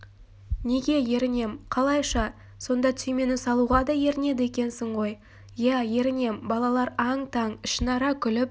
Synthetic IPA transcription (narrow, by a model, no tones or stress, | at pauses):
ne̞ɡʲe̞je̞ɾɪne̞mqʰɑlˠɑjʃɑ | so̞nd̪ɑt̪ʰyjme̞nɪsɑlˠuʁɑd̪ɑje̞ɾɪne̞d̪ɪe̞kʲe̞nsɪɴʁo̞j | jæje̞ɾɪne̞mbɑlˠɑlˠɑɾɑɴt̪ʰɑɴɪʃɪnɑɾɑkʲʰʏlɪp̚